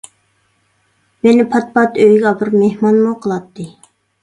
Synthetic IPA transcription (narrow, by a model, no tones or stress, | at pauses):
menɪpʰɑt̪̚pɑt̪øjɡʲɑbɨɾmehmɑnmuqʰəlˠɑt̪ʰːɨ